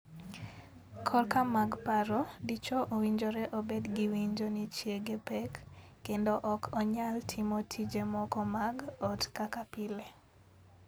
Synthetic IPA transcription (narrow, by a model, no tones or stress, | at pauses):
kʰɔlkamaɡpaɾɔdit͡ʃoʔowiɲd͡ʒoɾɛʔobedɡiwiɲd͡ʒonit͡ʃjeɡepɛkː | endoʔɔkʰɔɲaltʰimotʰid͡ʒemɔkɔmaɡɔtkakapile